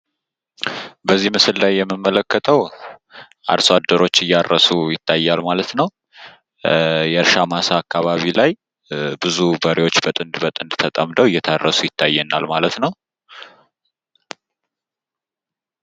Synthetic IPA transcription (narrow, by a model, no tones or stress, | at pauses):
bəzːimɨsɨllajːɛmːɨmːələkːət̪ʰəw | ʔa̰ɾsad̪ːəɾo̞t͡ʃːɨjːarːəsujɪt̪ʰːajːalmalət̪nəw | jɛɨɾʃamasaakːaβaβilaj | bɨzubəɾiwo̞t͡ʃːbət̪ʼɨnd̪bət̪ʼɨnd̪t̪ʰət̪ʼəmd̪əwɨjːɛt̪ʰarːəsujɪt̪ʰːajːɛnːalmalət̪nəw